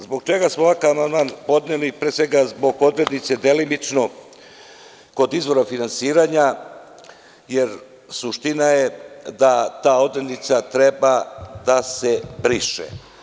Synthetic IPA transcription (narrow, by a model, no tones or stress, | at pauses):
zbo̞ɡt͡ʃe̞ɡasmoʋakavmand̪manpo̞d̪nelipɾesʋe̞ɡazbo̞ɡo̞d̪ɾed̪nit̪se̞d̪e̞limit͡ʂno̞ | ko̞d̪izʋo̞ɾafinansiːɾaɲa | jeɾ | suʃt̪inajed̪at̪aːo̞d̪ɾed̪nit̪sat̪ɾebad̪asebɾiʃḛ